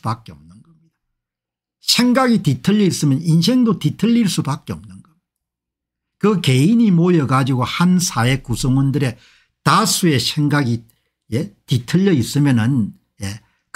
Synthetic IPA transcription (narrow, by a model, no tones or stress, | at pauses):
bak͈̚e̞ʌm̚nɯnɡʌmɲid̥a | sʰe̞ŋɡaɡititʰɯʎːʌis͈ɯmjʌninsʰe̞ŋdotitʰɯʎːiɭs͈ubak͈eʌmnɯnɡʌmid | kɯke̞iɲimojʌɡad͡ʑiɡohansʰae̞kusʰʌŋwʌndɯɾe̞ | tasʰue̞sʰeŋɡaɡi | jetitʰɯʎːʌis͈ɯmjʌnɯn | je | k